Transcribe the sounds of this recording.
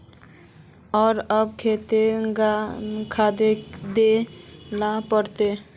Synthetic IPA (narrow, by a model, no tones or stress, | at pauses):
ɔɾʌb̚kʰet̪eɡakʰad̪ed̪elapəɾt̪e